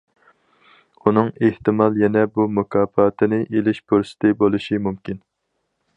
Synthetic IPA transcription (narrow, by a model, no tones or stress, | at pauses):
unɨŋeht̪ɨmɑlˠjɛnɛbumukʰɑːfɑːt̪ʰɪnɪʔelɪʃpuɾsɪ̥t̪ʰɪbolˠuʃimumkʲin